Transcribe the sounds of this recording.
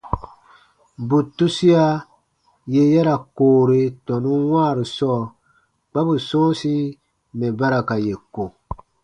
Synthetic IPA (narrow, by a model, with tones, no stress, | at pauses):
bu˨tu˦si˦a˦ | je˦jɛ˦ɾa˨koː˨ɾe˨tɔ̃˨nũ˦wã˦˨ɾi˨sɔː˦˨ | k͡pa˦bu˨sɔ̃ː˦si˦ | mɛ̃˨ba˦ɾa˨ka˨je˨ko˨